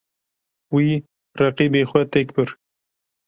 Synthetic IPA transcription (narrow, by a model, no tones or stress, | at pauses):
wiː | rɛqiːbeːxʷɛt̪ekbɨɾ